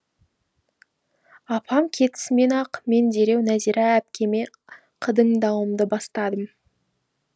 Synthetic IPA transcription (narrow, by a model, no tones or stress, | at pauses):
ɑpʰɑmkʲʰe̞t̪ɪ̥sɪme̞nɑqme̞nd͡ʒe̞ɾe̞wnæziɾɑæp̚kʲʰe̞me̞ | qʰəd̪əŋd̪ɑwəmd̪əbɑst̪ɑd̪əm